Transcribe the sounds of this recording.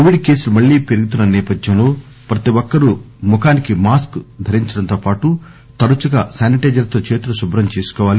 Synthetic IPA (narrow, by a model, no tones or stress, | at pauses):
koʋiɖkeːsulumɐɭːiːpeɾuɡut̪̬unːɐnɛːpɐd̪jɐmlo̞ː | pɾɐt̪iʋɔkːɐɾu | mukaːnikimaːskd̪ʱɐɾiɲt͡ʃɐɽɐnt̪oːpaːʈu | t̪ɐɾut͡ʃuɡasaːniʈeːd͡ʒɐɾt̪o̞ːt͡ʃeːt̪ulɐʃubɾɐmt͡ʃeːsu̥kɔːʋaːli